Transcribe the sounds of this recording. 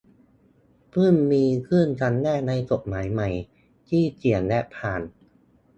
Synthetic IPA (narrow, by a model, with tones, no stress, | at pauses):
pʰɯ˥˩mmiː˧kʰɯ˥˩˨nt͡ɕa˧nːɛː˥˩na˧jko˨˩t̪̚maː˩˦jma˨˩j | t̪ʰiː˥˩t͡ɕi˨˩ənlɛ˦˥pʰaː˨˩n